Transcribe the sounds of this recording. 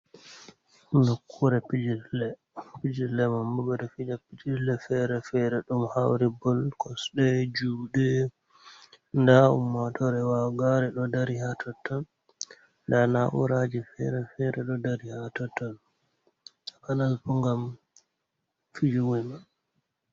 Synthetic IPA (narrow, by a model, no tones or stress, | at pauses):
mukʰːuɾɛpid͡ʒilɛ | pid͡ʒilɛmambubɔɾɛfid͡ʒapid͡ʒilɛfɛɾɛfɛɾɛɗumhawɾibɔlkɔsɗɛd͡ʒuːɗɛ | ndaṵmːatʰɔɾɛwaɡaɾɛɗɔdaɾihatʰɔtːɔn | ndanaʔṵɾad͡ʒifɛɾɛfɛɾɛɗɔdaɾihatɔtɔn | kanalpuŋɡam | fid͡ʒuwujma